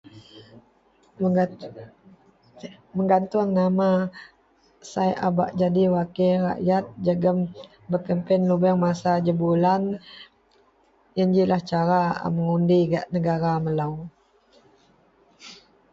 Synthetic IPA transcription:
məŋɡant̪ʊŋnama | sajʔaba̰ʔd͡ʒadiwakiɾa̰ʔjat̪̚d͡ʒəɡəm | bəkəmpɛnlubəŋmasad͡ʒəbulan | jənd͡ʒilaht͡ʃaɾaə̰məŋundiɡaʔnəɡaɾaməlaw

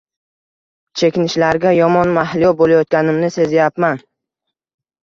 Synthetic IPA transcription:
t͡ʃʰe̞kʲɪnɪʃlaɾɡʲajɒmɒnmahlɪjɒbolajɒt̪̚ɡʲanɪmnɪse̞zjapman

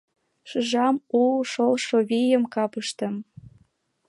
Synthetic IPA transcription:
ʃɯʒɑmulʃolʃoβijə̆mkɑpɤʃt̪ɤ̆m

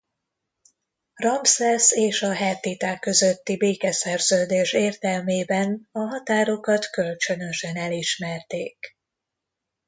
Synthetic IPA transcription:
rɒmpsɛseːʃɒɦɛt̪it̪aːkːø̞zø̞t̪ːibeːkɛsɛrzøːd̪eːʃeːrt̪ɛlmeːbɛnɒɦɒt̪aːɾo̞kɒt̪kø̞lt͡ʃø̞nø̞ʃɛnɛliʃmɛrt̪eːk

